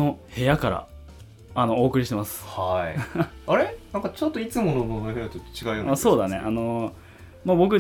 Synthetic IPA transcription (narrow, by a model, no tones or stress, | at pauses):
o̞he̞jakaɾa̰ | ano̞oːkɯ̟ɾʲiɕi̥t̪e̞masɨ̥haiaɾenãŋkat͡ɕot̪ːoit͡sɨmonononoheat̪ot̪ːt͡ɕiɡaɯ̟jonaso̞ːd̪ane̞̰ʔano̞ | mabo̞k̬ɯ̟